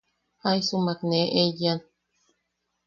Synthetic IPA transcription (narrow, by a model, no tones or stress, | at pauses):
ajsumakneʔejan